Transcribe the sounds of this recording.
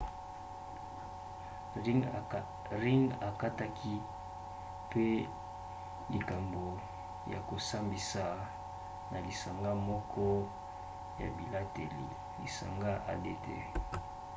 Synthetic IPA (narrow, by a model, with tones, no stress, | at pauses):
ʁi˦ŋa˨ka˦ta˦kʰi˦ | pe˦ | li˨ka˨mbo˨ | ja˨ko˨sa˦mbi˨sa˨ | na˨li˨sa˨ŋɡa˦mɔ˦kʰɔ˦ | ja̰˨bi˨la˦te˨lḭ˨ | li˨sa̰˨ŋɡa˦ʔa̰˨de˦˨tḛ˨